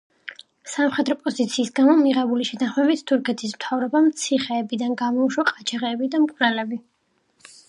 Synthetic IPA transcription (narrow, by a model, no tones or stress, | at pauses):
samχɛd̪ɾɔpʼɔzit̪sʰiːsɡamɔmiʁɛbuliʃɛt̪ʰanχmɛbit̪ʰt̪ʰuɾkʰɛt̪ʰismt̪ʰavɾɔbamt̪sʰiχɛːbid̪anɡamɔuʃwaqʼat͡ʃʰaʁɛːbid̪amkʼvɾɛlɛbi